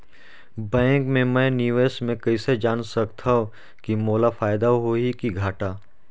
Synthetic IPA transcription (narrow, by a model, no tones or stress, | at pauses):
bɛ̃ːŋkmẽmɛ̃njiueːsʈmẽkɐised͡ʒaːnsɐkt̪ʰaɦõ | kimoːlafaːjd̪aɦoikiɡʱaːʈaː